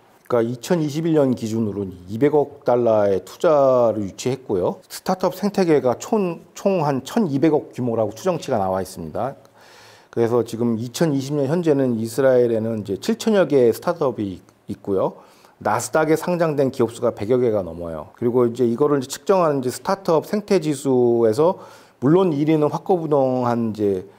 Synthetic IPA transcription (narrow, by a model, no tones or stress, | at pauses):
k͈ait͡ɕʰʌniɕʰibiɭɲʌnkid͡ʑunɯɾoibe̞ɡʌk̚t͈aɭːae̞tʰud͡ʑaɾɯɭjut͡ɕʰiɦe̞t̚k͈ojosʰɯ̥tʰatʰʌp̚sʰe̞ŋtʰe̞ɡe̞ɡat͡ɕʰont͡ɕʰoŋɦant͡ɕʰʌnibe̞ɡʌk̚k͈jumoɾaɡotʰud͡ʑʌŋt͡ɕʰiɡanawais͈ɯmɲida | kɯɾe̞sʰʌt͡ɕiɡɯmit͡ɕʰʌniɕʰimɲʌnçjʌnd͡ʑe̞nɯnisʰɯɾaiɾe̞nɯnid͡ʑe̞t͡ɕʰiɭt͡ɕʰʌɲjʌɡe̞sʰtʰatʰʌbiː | t̚k͈ujo | nasʰɯ̥daɡe̞sʰaŋd͡ʑaŋdwe̞nkiʌp̚s͈uɡape̞ɡjʌɡe̞ɡanʌmʌ̰jo̰kɯɾiɡoind͡ʑe̞iɡʌɾɯɭid͡ʑe̞t͡ɕʰɯ̥k̚t͡ɕ͈ʌŋɦanɯnid͡ʑe̞sʰɯ̥tʰatʰʌp̚sʰeŋtʰe̞d͡ʑisʰue̞s̬ʰʌ | muɭːoniɾinɯnɸwak͈ʌbudoŋɦanid͡ʑe̞